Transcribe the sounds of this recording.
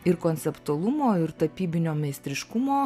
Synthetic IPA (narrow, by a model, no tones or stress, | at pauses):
ɪɾkoːnʲt͡ssʲɛpt̪uɐlˠʊmoːɪɾt̪ɐpʲiːbʲɪnʲoːmʲɛɪsʲt̪ʲɾʲɪʃkʊmoː